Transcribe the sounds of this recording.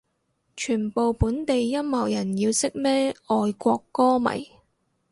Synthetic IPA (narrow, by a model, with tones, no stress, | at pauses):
t͡ʃʰyː˨˩npo˨wpuː˨˥nt̪e˨jːɐ˥mmɐ˨˩wjɐ˨˩njiː˧wsɪ˥k̚mɛː˥ɔː˨jkʷɔː˧kːɔː˥mɐ̰˨˩j